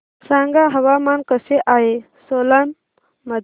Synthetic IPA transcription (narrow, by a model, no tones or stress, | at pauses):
sãːŋɡaɦɐʋaːmankəseʔaːe | solan | mɐd̪